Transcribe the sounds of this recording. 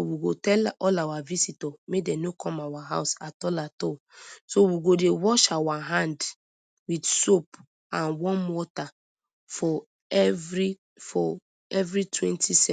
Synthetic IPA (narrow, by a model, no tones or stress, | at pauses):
owiɡotɛlɔlawavisitɔmedɛ̃nokʰɔ̃mawaɦa̰ʊsatɔlatɔ | sowiɡodewɔʃawaɦãnd | widsop | ãnwɔ̃nwɔta | fɔ | ɛvɹi | fɔ | ɛvɹitʰwɛ̃ntʰisɛ